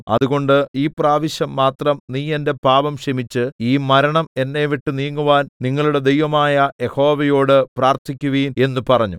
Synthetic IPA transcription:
ɐ̰ðuɣo̞ɳɖɨiːpraːʋiɕjɐmːaːt̪rɐmniːe̞nde̞paːʋɐmɕɐmit͡ɕːɨiːmɐɾɐɳɐme̞nːe̞ʋiʈːɨniːŋːuʋaːnniŋːɐɭuɽe̞d̪e̞jʋɐmaːjɐje̞ho̞ːʋɐjo̞ːɽɨpraːrt̪ʰikʲːuʋiːne̞nːupɐrɐɲːu

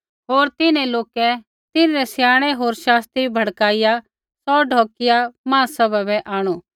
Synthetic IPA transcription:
ɦoːɾt̪ɪnẽloːkɛ | t̪ɪnːɾɛsjaːɽ̃ɛɦoːɾʃaːst̪ibʱɐɽkaːɪja | sɔːɖʱɔːkɪjamãːsɐbabɛʔaːɽ̃uː

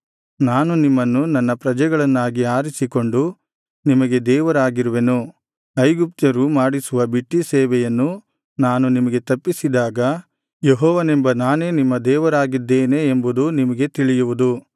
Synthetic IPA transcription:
naːnunimːɐnːunɐnːɐpɾɐd͡ʒɛɡɐɭɐnːaːɡiaːɾisiko̞ɳɖu | nimɐɡe̞d̪ɛːʋɐɾaːɡiɾuʋe̞nu | ɐjɡup̚t̪ɐɾumaːɽisuʋɐbiʈːisɛːʋɛjɐnːu | naːnunimɐɡe̞t̪ɐpːisid̪aːɡɐ | jeɦɔːʋɐnembɐnaːne̞ːnimːɐd̪ɛːʋɐɾaːɡid̪ːeːneːmbud̪unimɐɡe̞t̪iɭijuʋud̪u

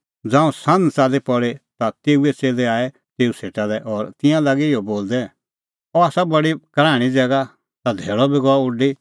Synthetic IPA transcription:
d͡zãːũsãnt͡saːlepɔɽet̪at̪eːuɛt͡seːlɛaːɛ | t̪eːuseːʈalɛʔɔːɾt̪ɪ̃jãlaːɡiɪɔboːld̪ɛ | ɔaːsabɐɽikɾaːɽ̃id͡zɛːɡa | t̪ad̪ʱeːɭɔbiɡɔaʊɖi

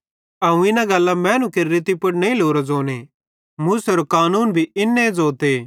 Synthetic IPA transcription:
ɐũɪnãɡɐlːamɛ̃ːnũkeɾɾɪt̪ipɐɽnɐĩloːɾad͡zoːne | mʊsɐɾokaːnuːnbʱiɪnːed͡zoːt̪eː

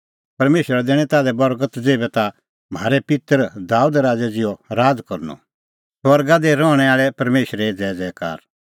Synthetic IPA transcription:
pɐɾmeːʃɾad̪ɛːɽ̃ɛ̃t̪aːd̪ɛbɐɾɡət̪d͡zeːbɛt̪a | m̤aːɾɛpɪt̪əɾd̪aːud̪ɾaːd͡zɛd͡zɪjɔɾaːd͡zkɔɾnɔ̰ | swɐɾɡad̪eɾɔːɽ̃ɛ̃aːɭɛpɐɾmeːʃɾɛd͡zɛːd͡zɛːka̰ːɾ

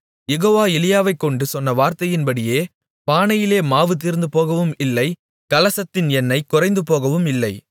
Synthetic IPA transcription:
jɛɣoːʋaːɛlɪjaːʋɐɪkːɔɳɖɯsɔnːɐʋaːɾt̪ɐjɪnbɐɽɪjeː | paːnɐjɪleːmaːʋɯt̪̬ːiɾnd̪ɯpoːɣɐʋɯmɪlːɐɪ | kɐlɐsɐt̪ːɪnɛnːɐɪkːʊrɐɪnd̪ɯpoːɣɐʋɯmɪlːɐɪ

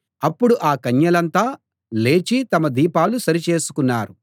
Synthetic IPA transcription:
ɐpːuɽuʔaːkɐɲːɐlɐnt̪aː | le̞ːt͡ʃit̪ɐmɐd̪iːpaːlusɐɾit͡ʃe̞ːsu̥kunːaːɾu

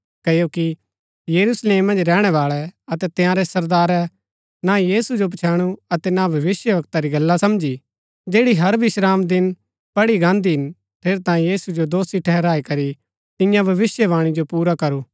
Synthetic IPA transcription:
kɐjoːki | jɐɾuːsleːmːɐ̃nd͡ʒɾɛːɽ̃ɛʋaːɭɛɐt̪ɛt̪ɪjãɾɛsɐɾd̪aːɾɛ | najiːsud͡ʒopt͡ʃʰɛːɽ̃uɐt̪ɛnabʱɐʋɪsjəʋɐk̚t̪aɾiɡɐlːasɐmd͡ʒi | d͡ʒeːɽiɦɐɾbʱiʃɾaːmd̪ɪn | pɐɽiɡãːnd̪iɦɪn | ʈʰeːɾt̪ãːjĩjiːsud͡ʒod̪oːsiʈʰɛɦɛɾaːikɐɾi | t̪ɪ̃jãbʱɐʋɪsjəʋaːɽ̃id͡ʒopuːɾakɐɾuː

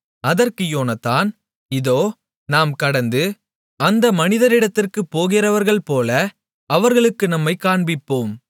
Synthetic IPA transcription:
ɐðɐrkɯjoːnɐt̪ːaːn | ɪðoː | naːmkɐɽɐnd̪ɯ | ɐnd̪ɐmɐnɪðɐɾɪɽɐt̪ːɪrkɯpːoːɣɪrɐʋɐɾɣɐɭpoːlɐ | ɐʋɐɾɣɐɭɯkːɯnɐmːɐɪkaːɳbɪpːoːm

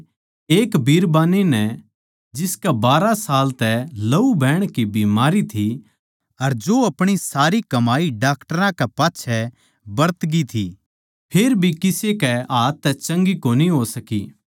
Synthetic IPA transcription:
eːkbʱiːɾbaːninɛ | d͡ʒɪskɛbaːɾasaːlt̪ɛlɐubʱɛːɽ̃kibiːmaːɾit̪ʰi | ɐɾd͡ʒoːɐpɽ̃isaːɾikɐmaːiɖaːkʈəɾãkɛpaːtːʃʰɛ | bɐɾt̪ɡit̪ʰi | pʰeɾbʱikɪsekɛaːt̪ːɛt͡ʃɐ̃ŋɡikoːniɦoːsɐkḭː

